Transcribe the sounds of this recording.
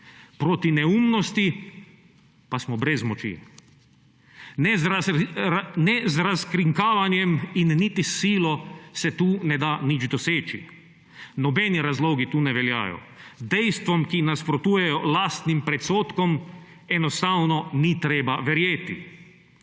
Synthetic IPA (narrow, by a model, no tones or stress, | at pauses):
pɾoːt̪inɛuːmnɔst̪i | pasmɔbɾɛzmɔt͡ʃḭː | nɛzɾaskɾiŋkaːʋanjɛminːit̪isiːlɔsɛt̪uːnɛd̪anid͡ʒd̪ɔseːt͡ʃḭ | nɔbɛniɾazloːɡit̪uːnɛʋɛlja̰ːjɔ̰ | d̪ɛjst̪ʋɔmkinaspɾɔt̪uːjɛjɔlaːst̪nimpɾɛt̪soːt̪kɔm | ɛnɔst̪awnɔnit̪ɾɛːbaʋɛɾjeːt̪ḭ